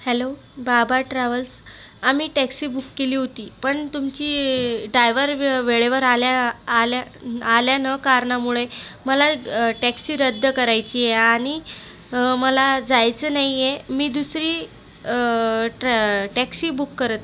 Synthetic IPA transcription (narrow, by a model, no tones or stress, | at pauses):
hɛlo | babʱaʈɾaʋəlsamiːʈæksiːbukːeliːɦot̪iːpəɳt̪umt͡ɕiːɖajʋəɾʋeɭeʋəɾaljaːlaaljanəkaɾɳamuɭeməlaʈæksiːɾəd̪ʱːəkəɾajt͡ɕiːeaɽ̃i | məlad͡zajt͡sənaɦijemiːd̪usɾiː | ʈæksiːbukːəɾət̪